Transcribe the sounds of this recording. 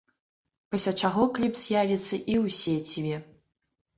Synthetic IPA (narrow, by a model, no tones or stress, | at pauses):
pɐsʲlʲat͡ʂaɣɔklʲipz̥ʲjavʲit̪sːɐʔiwsʲɛt͡sʲibʲɛ